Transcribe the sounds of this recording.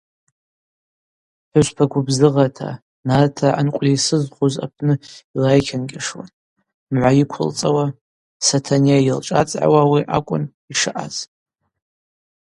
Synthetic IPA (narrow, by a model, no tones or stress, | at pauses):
ħʷɨʃʷpʰaɡʷʰʊbzɨʁatʰa̰ | natʰaa̰nkʷʼlisɨzχʷoza̰pʰnɨilajkʲʰanɡʲaʂwa̰n | mʕʷajikʷʰʊ̰lt͡sʼawa | satʰaniajɪlʈ͡ʂʼat͡sʼʕa̰wawiʔakʷʼʊ̰n | iʂɨʔaz